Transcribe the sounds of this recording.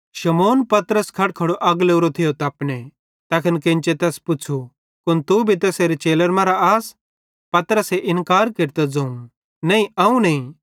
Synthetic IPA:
ʃɐmoːnpɐt̪əɾəskʰɐɽ̚kʰɐɽoʔɐɡleuɾot̪ʰɪjot̪ɐːpne | t̪ɐkʰənkɪ̃nt͡ʃet̪ɛːspʊt͡ʃʰu | kʊnt̪ubʱit̪ɛːseːɾet͡ʃeːləɾmãːɾaaːs | pɐt̪ɾəseʔɪnkaːɾkeɾt̪ɛd͡zɐːũ | nɐ̃ĩɐũnɐĩ

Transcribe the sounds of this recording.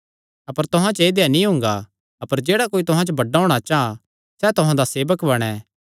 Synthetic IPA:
ɐpəɾt̪ʊɦãt͡ʃeːd̪ejanĩɦʊ̃ːŋɡa | ɐpəɾd͡ʒeːɽakoːit̪ʊɦãt͡ʃobɐɖaɦoːɽ̃at͡ʃaã | sɛt̪ʊɦãd̪aseːbəkbɐɽ̃ɛː

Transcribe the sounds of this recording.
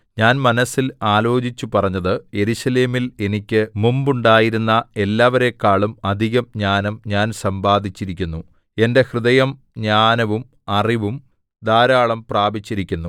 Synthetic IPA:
ɲaːnmɐnɐsːilaːlo̞ːd͡ʑit͡ɕːupɐrɐɲːɐðɨje̞ɾuʂɐle̞ːmile̞nikʲːɨmumbuɳɖaːjiɾunːɐe̞lːaːʋɐɾe̞kːaːɭumɐd̪ʱiɣɐmɲaːnɐmɲaːnsɐmbaːd̪ʱit͡ɕːiɾikʲːunːu | e̞nde̞hrɨðɐjɐm | ɲaːnɐʋum | ɐriʋum | d̪aːɾaːɭɐmpraːbit͡ɕːiɾikʲːunːu

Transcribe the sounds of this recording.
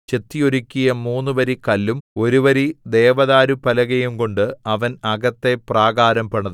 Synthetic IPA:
t͡ɕe̞t̪ːijo̞ɾukʲːijɐmuːnːuʋɐɾikɐlːumo̞ɾuʋɐɾid̪e̞ːʋɐðaːɾupɐlɐɣɐjumko̞ɳɖɨɐʋɐnɐɡɐt̪ːe̞praːɡaːɾɐmpɐɳɐðɨ

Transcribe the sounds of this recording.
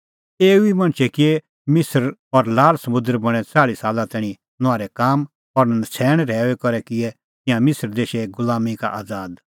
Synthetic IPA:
eːuimɐ̃ñt͡ʃʰɛkɪe | mɪsəɾɔɾlaːlsɐmʊ̃d̪əɾbɐɽ̃ɛ̃t͡saːɽisaːlãt̪ɛɽ̃ĩ | nʊaːɾɛkaːm | ɔɾnɐsʰɛːɽ̃ɾɛːɛkɔɾɛkɪɛ | t̪ɪjãmɪsəɾd̪eːʃeɡʊlaːmika̰ʔaːd͡zaːd̪

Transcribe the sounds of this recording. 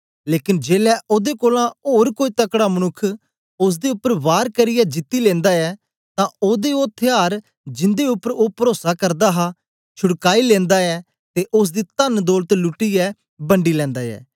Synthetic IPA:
leːkɪnd͡ʒeːlɛːʔoːd̪eːkoːlãːoːɾkoːiːt̪əkɽaːmənʊkʰː | ʊs̬d̪eːʊpːəɾʋaːɾkəɾɪːɛːd͡ʒɪt̪ːiːlɛ̃ːnd̪aːɛː | t̪ãːoːd̪eoːt̪ʰɪjaːɾ | d͡ʒɪnd̪eːʊpːəɾoːpəɾoːsakəɾd̪aːɦaː | t͡ʃʰʊɽkaːilɛ̃ːnd̪aːɛː | t̪eːʔʊs̬d̪iːt̪ənd̪oːlt̪lʊʈːiːɛː | bəɳɖiːlɛ̃ːnd̪aːɛ̰ː

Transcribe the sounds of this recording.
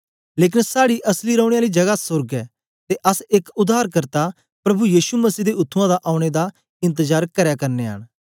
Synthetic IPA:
leːk̬ɪnsaːɽiʔɐsliɾəʊɽ̃eaːlid͡ʒɐɡasʊɾɡɛː | t̪eʔəsɪkʊd̪aːɾkɐɾt̪a | pɾɐbujiːʃuməsiːd̪eʊt̪ʰːʊ̃ãd̪aʔaːʊɽ̃ed̪a | ɪ̃nt̪̬əzaːɾkɐɾjaːkɐɾneːɦə̰ɽ̃

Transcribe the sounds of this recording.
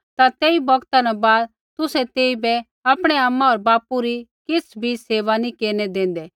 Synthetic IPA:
t̪at̪eːibɔɡt̪anɛbaːd̪ | t̪ʊsɛt̪eːibɛ | apɽ̃ɛamːaɔːɾbaːpuɾikɪt͡sʰbʱiseːʋanikeːɾnɛd̪ẽːn̆d̪ɛː

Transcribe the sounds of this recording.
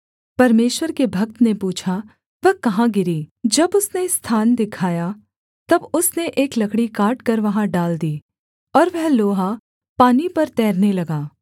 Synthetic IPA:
pɐɾmeːʃwəɾkebʱɐk̚t̪nepuːt͡ʃʰa | ʋɛɦkɐɦãɡɪɾiːd͡ʒɐbʊsnest̪ʰaːnd̪ɪkʰaːja | t̪ɐbʊsneʔeːklɐkɽikaːʈkɐɾʋɐɦãɖaːld̪iː | ɔːɾʋɛɦloːɦa | paːnipɐɾt̪ɛːɾnelɐɡaː

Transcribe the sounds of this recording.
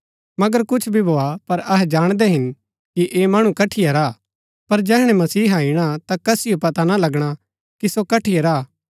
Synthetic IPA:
mɐɡəɾkʊt͡ʃʰbʱibʱoːapɐɾɐɦɛd͡ʒaːɽ̃d̪ɛɦɪn | kiʔeːmaɽ̃ukɐʈʰijɐɾaː | pɐɾd͡ʒɛːɦɽ̃ɛmɐsiːɦaːiɽ̃at̪akɐsɪjopɐt̪analɐɡɽ̃a | kisokɐʈʰiɐɾaː

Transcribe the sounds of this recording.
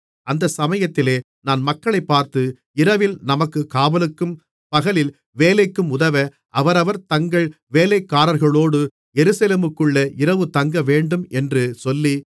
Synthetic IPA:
ɐnd̪ɐsɐmɐjɐt̪ːɪleː | naːnmɐkːɐɭɐɪpːaːɾt̪ɯ | ɪɾɐʋɪlnɐmɐkːɯkaːʋɐlɯkːɯm | pɐɣɐlɪl | ʋeːlɐɪkːɯmʊðɐʋɐ | ʔɐʋɐɾɐʋɐɾt̪ɐŋɡɐɭʋeːlɐɪkːaːɾɐɾɣɐɭoːɽɯ | jɛɾɯsɐleːmɯkːɯɭːɐɪɾɐʋɯt̪ɐŋɡɐʋeːɳɖɯmɛndrɯsɔlːi

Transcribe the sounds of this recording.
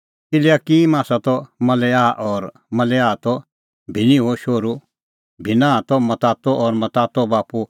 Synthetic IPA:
ɪliakimaːsat̪ɔmɐlɛaːʔɔːɾ | mɐlɛaːt̪ɔ | bʱɪniɦoʃoːɾu | bʱɪnãːt̪ɔmɐt̪aːt̪ɔʔɔɾmɐt̪aːt̪ɔbaːpu

